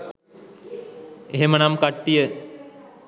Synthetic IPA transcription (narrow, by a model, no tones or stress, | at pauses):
eɦemənamkaʈːijə